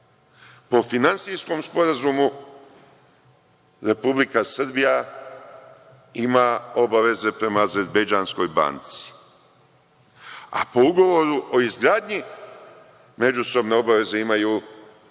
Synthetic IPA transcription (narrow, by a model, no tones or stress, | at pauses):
po̞finansisko̞mspo̞ɾazumu | ɾe̞publikasɾbija | imao̞baʋe̞ze̞pɾe̞maːze̞ɾbed͡ʒaːnsko̞jba̰nt̪si̥ | a̰po̞uɡo̞ʋo̞ɾuʔo̞izɡɾaːd̪ɲi | me̞d͡ʒuso̞bne̞o̞baʋe̞ze̞imajuː